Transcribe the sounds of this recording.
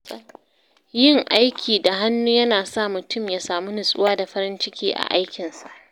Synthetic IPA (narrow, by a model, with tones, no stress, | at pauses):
jɪ˦˨ŋʔa˦jkʲʰiː˨da˨ɦa˦nːuː˦jɐ˦naː˨sa˦˨mʊ˨tʊ˦˨mjaː˨˦saː˨mu˦nɪ˨sʼʊ˦waː˦da˨ɸɐ˦ɾɪ˦nt͡ʃɪ˦kʲiː˦ʔa̰˨ʔa˦jkʲɪ˨nsa̰˨ʔʔ